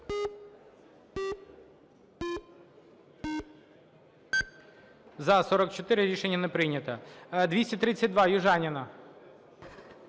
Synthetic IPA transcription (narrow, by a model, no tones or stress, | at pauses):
zɐsɔɾɐkt͡ʃɔt̪ɪɾɪɾʲiʃenʲːɐnɛpɾɪjnʲɐt̪ɐd̪ʋʲisʲtʲɐt̪ɾɪt͡sʲːɐt̚ʲd̪ʋɑjʊʒɑnʲɪnɐ